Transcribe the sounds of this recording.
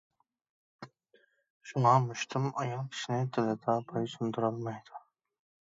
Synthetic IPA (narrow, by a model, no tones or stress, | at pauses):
ʃuŋɑmuʃt̪ʰumɑjɑŋkʲʰi̥ʃinɪd̪ʰɪlɪd̪ɑpʰɑjsʰund̪uɾɑlˠmɑjd̪̥u